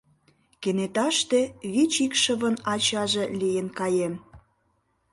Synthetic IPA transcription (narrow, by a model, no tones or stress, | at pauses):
kenet̪ɑʃt̪ĕβit͡ɕikʃə̆βə̆nɑt͡ɕɑʒĕlijənkɑjem